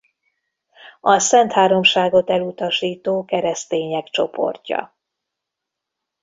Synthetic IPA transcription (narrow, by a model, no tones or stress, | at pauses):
ɒsɛnt̪haːɾo̞mʃaːɡo̞t̪ɛlut̪ɒʃiːt̪oːkɛɾɛst̪eːɲɛkt͡ʃo̞po̞̰rcɒ̰